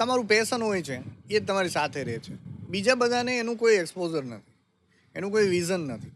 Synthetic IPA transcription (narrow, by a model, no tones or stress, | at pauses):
t̪əmaɾũpɛsənɦojt͡ʃʰeet̪əmaɾisat̪ʰeɾɛt͡ʃʰebid͡ʒabəd̪ʱaneːnũkoiɛkspozəɾnə̰t̪ʰi̥ | enũkoiʋizənːət̪ʰi̥